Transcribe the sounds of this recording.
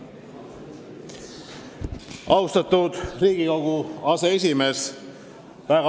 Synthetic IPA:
ɑwst̪ɑt̪ːud̪riːɡ̥iko̞ɡ̥uɑse̞e̞s̬ʲime̞s | væɡɑ

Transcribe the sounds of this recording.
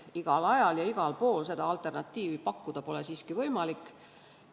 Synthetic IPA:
iɡ̥ɑlɑjɑljɑiɡ̥ɑlpo̞ːlse̞d̪ɑɑlt̪ˑe̞rnɑt̪ʲːiːvipɑkːud̪̥ɑpo̞le̞siːskivɤjmɑlikːˑ

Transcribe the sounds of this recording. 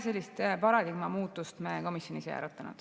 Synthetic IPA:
se̞lʲːist̪pɑɾɑd̪iɡmɑmuːt̪ːˑust̪meːko̞misjo̞nisḛjæ̰ɾɑt̪ːˑɑnṵd̪̥

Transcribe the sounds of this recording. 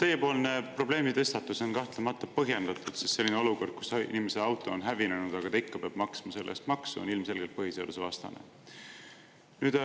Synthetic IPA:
t̪eje̞po̞ːlne̞pro̞bleːmit̪e̞st̪ɑt̪ːˑuso̞nkɑht̪lemɑt̪ːˑɑpɤɦje̞nd̪̥ɑt̪ːˑud̪̥sist̪se̞lːineo̞luko̞rd̪̥̚ku̥sḭnimese̞ɑwt̪ˑo̞onɦævinenud̪̥ɑɡ̥ɑt̪ejkːɑpeɑb̥mɑksmɑse̞lːʔḛst̪mɑksuo̰nilmse̞lɡ̥e̞lt̪̚pɤɦisḛd̪usevɑst̪ɑ̰nḛ | nyːd̪̥

